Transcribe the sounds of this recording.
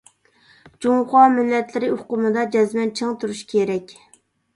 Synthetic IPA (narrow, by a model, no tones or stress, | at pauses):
d͡ʒuŋχɑmɪlːɛt̪lɪɾɪuqʊmɨd̪ɑd͡ʒɛzmɛnt͡ʃʰɨŋt̪ʰuɾuʃkʲʰeɾɛkʲ